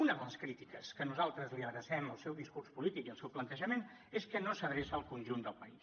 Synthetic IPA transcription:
unəðələskɾit̪ikəskənuzalˠt̪ɾəzliəɾəsɛməlˠsɛwðiskurspulit̪ikiəlˠsɛwplənt̪əʒəmen | eskənosəðɾesəːlˠkunʲʒund̪əlˠpəis

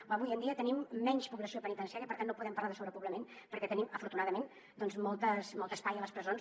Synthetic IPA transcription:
əβujənd̪iət̪ənimːɛɲʃpuβləsiopənit̪ənsiaɾiəpəɾt̪anːopuðɛmpəɾlaðəsoβɾəpuβləmenpəɾkɛt̪əniməfuɾt̪unaðəmen | d̪ɔnzmɔlˠt̪əsmɔlˠt̪əspajələspɾəzon

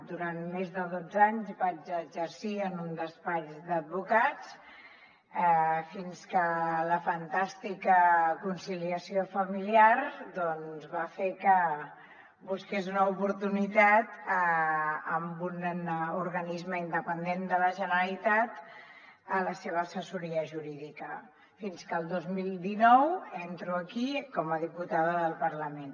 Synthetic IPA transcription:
d̪uɾanmezðəðod͡zaɲzbad͡ʒəd͡ʒəɾsiənund̪əspad͡ʒd̪əd̪̚βukat͡s | ɛfinskələfənt̪ast̪ikəkunsiliəsiofəmiliaɾd̪ɔnzβafekə | buskezunəupuɾt̪unit̪at̪əəmbunuɾɣənizməind̪əpənd̪end̪ələʒənəəlit̪at̪ | ələseβ̞əːsəsuɾiəʒuɾiðikə | finskəːlˠd̪ozmilˠd̪inɔwent̪ɾuəkikɔməðiput̪aðəðəlˠpəɾləmen

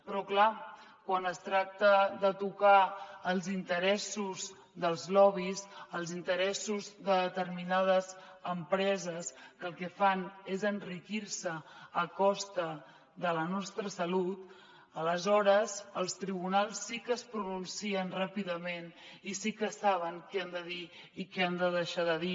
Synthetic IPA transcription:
pɾɔkla | kwanəst̪ɾak̚t̪əðət̪ukaːlˠzint̪əɾɛsuz | ðəlˠzlɔβizəlˠzint̪əɾɛsuzðəðət̪ərminað̞əzəmpɾɛzəskəlˠkɛfanezənrikiɾsəːkɔst̪ə | ðələnɔst̪ɾəsəlut̪̚ | ələzɔɾəzəlˠst̪ɾiβ̞unalˠsːikəspɾununsiənrapiðəmenisikəsaβ̞əŋkɛənd̪əðiː | kɛənd̪əðəʃaðəði

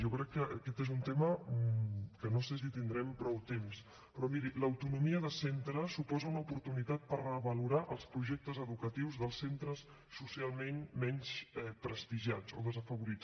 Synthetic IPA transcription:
ʒɔkɾɛkːəʔəkɛt̪ezunt̪emə | kənoses̬it̪ind̪ɾɛmpɾɔwt̪ems | pɾɔmiɾiləwt̪unumiəðəsent̪ɾəsupɔzəunəupuɾt̪unit̪at̪̚pərəβəluɾaʔəlˠspɾuʒɛk̚t̪əzəðukət̪iwzðəlˠsent̪ɾəsː | usialˠmenmɛɲsɛpɾəst̪iʒat͡so̰ðəzəfəβuɾit͡s

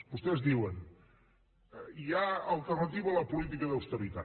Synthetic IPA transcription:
bust̪ɛzðiwən | iaəlˠt̪ərnət̪iβəːləpulit̪̬ikəðəwst̪əβit̪a

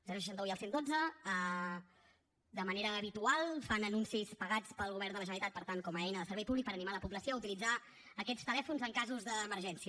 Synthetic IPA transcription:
lˠzansə̥ʃant̪əuiəlˠsend̪od͡zəə | d̪əməneɾəːβit̪ualˠfanənunsispəɣat͡spəlˠɣuβ̞ɛrɾnd̪ələʒənəlit̪at̪pəɾt̪aŋkɔməɛjnəðəsəɾβɛjpuβlik̚pəɾənimaləpubləsioəut̪ilid͡za | əkɛst̪əlɛfunzəŋkazuzðəːməɾʒɛnsiə

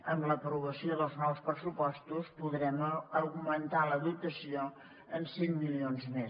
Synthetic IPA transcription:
əmləpɾuβəsioðəlˠznɔwspɾəsupɔst̪uspuðɾɛməɣmənt̪aləðut̪əsio | ənsemːilionzme

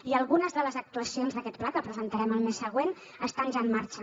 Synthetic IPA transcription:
iəlˠɣunəzðələzək̚t̪uəsionzðəkɛt̪̚plakəpɾəzənt̪əɾɛməlˠmesːəɣ̞wen | əst̪anʲʒaəmːaɾt͡ʃə

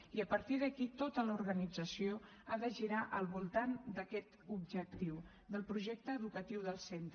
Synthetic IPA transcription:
iəpəɾt̪iðəkit̪ot̪ələuɾɣənid͡zəsio | aðəʒiɾaʔəlˠβulˠt̪and̪əkɛt̪ubʒək̚t̪iw | ðəlˠpɾuʒɛk̚t̪əːðukət̪iwðəlˠsent̪

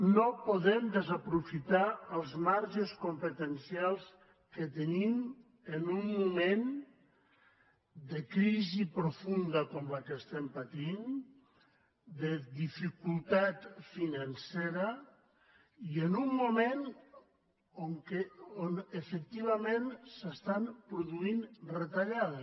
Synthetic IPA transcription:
nopuðɛmd̪əzapɾufit̪aəlˠzmaɾʒeskumpət̪ənsialˠs | kət̪ənim | ənumːumẽn | d̪əkɾizipɾufund̪ɐkɔmlakəst̪ɛmpat̪in | d̪əðifikulˠt̪at̪finanseɾa | iənumːumẽn | oŋkeonefək̚t̪iβ̞amẽnsəst̪ampɾuðuinret̪aʎaðe

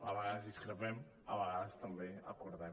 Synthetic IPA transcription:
aβaɣaðɐziskɾeβɛm | aβɐɣaðɐst̪ɐ̃mbẽja̰koɾða

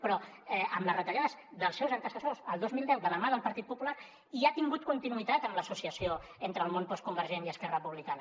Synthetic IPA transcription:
pɾɔɛəmləzrət̪əʎaðəzðəlˠsɛwzənt̪əsəsozəlˠd̪ozmilˠd̪ɛwðələmaðəlˠpəɾt̪it̪̚pupulaɾ | iat̪iŋɡut̪̚kunt̪inuit̪at̪əmləsusiəsioent̪ɾəlˠmonpɔskumbəɾʒeniəskɛrəəpuβlikanə

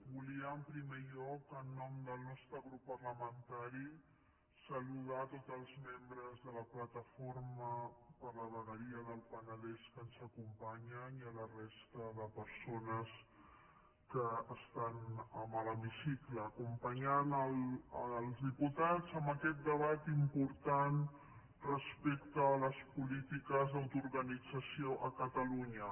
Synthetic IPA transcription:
buliəːmpɾimeʎɔkənːɔmd̪əlˠnɔst̪ɾəɣɾupːərləmənt̪aɾi | səluð̞at̪od̪zəlˠzmembɾəzðələplət̪əfoɾməpəɾləβəɣəɾiəðəlˠpənəlɛskənzəkumpaɲəniələrest̪əðəpəɾsonəs | kəːst̪anəmələmisikləːkumpəɲanələlˠzðiput̪azəmbəkɛt̪̚d̪əβ̞at̪impuɾt̪an | rəspek̚t̪əːləspulit̪ikəzðəwt̪uɾɣənid͡zəsioʔəkət̪əluɲə

